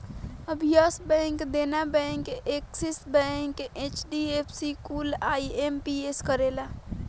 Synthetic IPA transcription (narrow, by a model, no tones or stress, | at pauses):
əbʱijasbɛ̃ŋkd̪enabɛ̃ŋkeksisbɛ̃ŋket͡ʃɖiepʰsikuːlaːiempieskəɾela